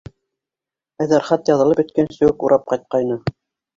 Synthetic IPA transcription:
æjðæɾχɑt̪jɑðɤ̆lˠɤpjɵ̆t̪̚kænsɵ̆wɘkuɾʔɑp̚qɑjt̪̚qɑjnɤ

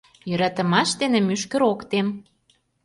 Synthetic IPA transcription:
jø̆ɾɑt̪ə̆mɑʃd̪enĕmyʃkə̆ɾokt̪em

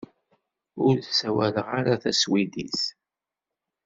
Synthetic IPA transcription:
ʊɾθsæwæləʁaɾaθæswidis

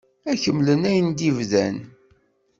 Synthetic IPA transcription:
æçəmːlənæjənd̪ivðæn

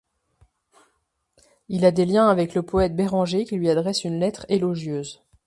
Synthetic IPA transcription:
ilad̪eljɛ̃avɛkləpɔɛt̪̚beʁɑ̃ʒekʲilɥiad̪ʁɛsynlɛt̪χelɔʒjøːz

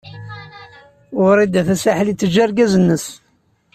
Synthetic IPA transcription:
ʊɾˤid̪æθæsaħlit͡sːəd͡ʒaɾɡæzənːəs

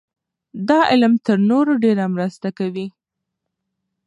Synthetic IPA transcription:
d̪ɑʔɪlmt̪əɾnoɾoɖeɾamɾəst̪akawi

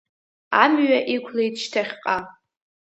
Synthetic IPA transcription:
amɥaʔikʷʰlejtʰʃtʰaχʲqʼa

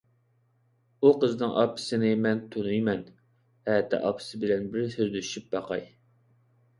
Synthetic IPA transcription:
uqəzɨnɨŋʔɑ̰pʰːɨ̥sɨnɪmɛnt̪ʰonujmɛn | hɛt̪ʰɛ̰ʔɑ̰pʰːɨ̥sɨbɪlɛnbɪɾsyɾd̪yʃyp̚bɑqɑj

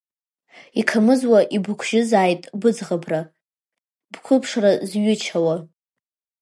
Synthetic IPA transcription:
ikʰamɨzwaʔibɨkʷʰʒ̥ɪzaːjtʼbɨd͡zʁabra | b̥kʷʰʊpʰʂrazɥʏt͡ʃʰawa

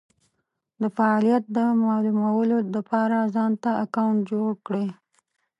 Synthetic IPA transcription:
d̪əfaɑlijat̪̚d̪əmɑlumawəlolapɑɾazɑnt̪aakawɳʈd͡ʒoɽkɽe

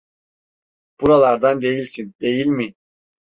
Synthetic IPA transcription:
b̥uɾalˠaɾd̪and̪e̞jilʲsind̪e̞jilʲmi

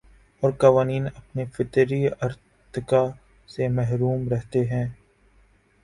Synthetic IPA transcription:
ɔːɾkaʋaːniːnɐpnefɪt̪ɾiɐɾ | t̪ɪka | semɛɦɾuːmɾɛɦt̪eɦɛ̃ː

